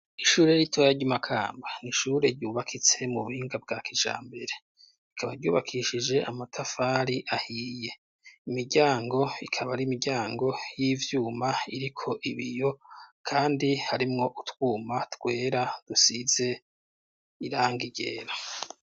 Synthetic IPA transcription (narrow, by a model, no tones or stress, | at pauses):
iʃuːɾe̞jitʰojaɾɟimakʰa̰ːmbaniʃuɾe̞ɾɟuːβakʰit͡se̞muβuhiːŋɡab̚ɡaːkid͡ʒa̰ːmbe̞ɾe̞ | ikʰaβaɾɟuːβakʰiʃid͡ʒe̞amatʰafaːɾiʔahiːje̞ | imiɟaːŋɡo̞ikʰaβaɾimiɟaːŋɡo̞jiːvjuːmaiɾikʰo̞ʔiβijo̞kʰaːndihaɾimŋo̞ʔutwuːmatɡwe̞ːɾad̥usize̞ | iɾaːŋɡiɟe̞̰ːɾa